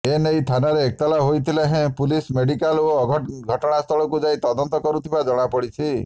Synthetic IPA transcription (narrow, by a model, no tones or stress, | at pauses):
enejt̪ʰanaɾeːk̚t̪alaɦojt̪ʰileɦẽpulismeɽikaloɔɡʱɡʱɔʈɔɽ̃ast̪ʰɔɭɔkud͡ʒajt̪ɔd̪ɔnt̪ɔkɔɾut̪ʰibad͡ʒɔɽ̃apɔɽit͡ʃʰi